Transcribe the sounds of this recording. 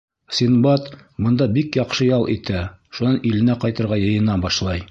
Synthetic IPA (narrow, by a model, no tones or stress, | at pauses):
sinbɑt̪mŏnd̪ɑbikjɒqʃɤjɒlˠʔit̪æ | ʃunɑnʔilɘ̆næqɒjt̪ɤ̆ɾʁɑjɤ̆jɤ̆nɑbɒʃlˠɑj